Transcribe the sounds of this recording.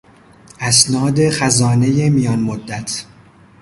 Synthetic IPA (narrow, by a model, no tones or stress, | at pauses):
ʔæsnɒːd̪e̞xæzɒːne̞je̞mijɒːnmod̪ːæt̪ʰ